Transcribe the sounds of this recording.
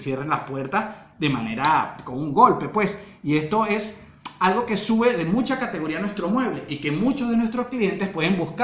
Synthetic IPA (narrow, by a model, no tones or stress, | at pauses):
sjerenlaspwe̞ɾt̪as | ðe̞mane̞ɾakomuŋɡo̞lpe̞pwe̞s | ie̞st̪o̞e̞s | alɣo̞ke̞suβe̞ðe̞mut͡ʃakat̪e̞ɣo̞ɾianwest̪ɾo̞mwe̞β̞le̞ʔike̞mut͡ʃozðe̞nwest̪ɾo̞sklie̞nt̪e̞spwe̞ðembusk